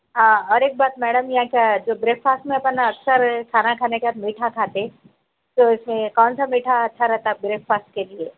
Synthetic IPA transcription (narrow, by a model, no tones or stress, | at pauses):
ɦãːɔːɾeːk̚baːt̪mɛːɖəmjɐɦãkjad͡ʒoːbɾeːkfaːsʈmẽɐpnaɐksəɾkʰaːnakʰaːnekeaːt̪miːʈʰakʰaːt̪e | t̪oɪsmẽkɔːnsamiːʈʰaɐtːʃʰaɾɛɦt̪aɡɾeːkfaːsʈ̚kelie